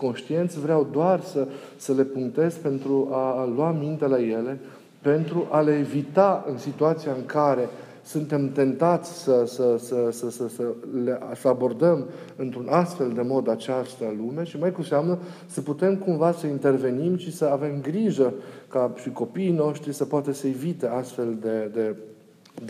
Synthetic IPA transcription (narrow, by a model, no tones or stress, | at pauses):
ko̞nʃt̪ie̞nt̪sʲvɾeawd̪oarsəsəle̞puŋkt̪e̞zpe̞nt̪ɾualwamint̪e̞laje̞le̞ | pe̞nt̪ɾuʔale̞ːvit̪aɨnsit̪uat̪siaɨŋkaɾe̞ | sunt̪e̞mt̪e̞nt̪at̪sʲsəsəsəsəsəsəleʔsəabo̞rd̪əm | ɨnt̪ɾunast̪fe̞ld̪e̞mo̞d̪at͡ʃast̪əlume̞ʃimajkuseamnəsəput̪e̞mkumvasəint̪e̞rve̞nimʃisəave̞mɡɾiʒəkaʃiko̞piːno̞ʃt̪ɾisəpoat̪əsəevit̪e̞ast̪fe̞ld̪e̞d̪e̞